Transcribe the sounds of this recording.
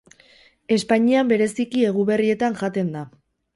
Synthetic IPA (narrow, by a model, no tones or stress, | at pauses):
e̞spaɲiambe̞ɾe̞sikie̞ɣ̞uβe̞rie̞t̪aŋʝat̪e̞nd̪a